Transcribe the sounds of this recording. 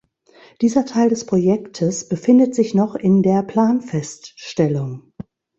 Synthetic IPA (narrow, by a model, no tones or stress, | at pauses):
d̥iːzɐtʰaɪldɛspʁ̥ojɛktʰəsb̥əfɪndətz̥ɪçnɔχɪndeːɐpl̥aːnfɛstʃtɛlʊŋ